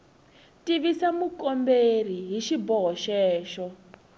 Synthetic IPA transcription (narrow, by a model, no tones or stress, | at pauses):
tiβisamukɔmberiɦiʃibɔɦɔʃɛːʃɔ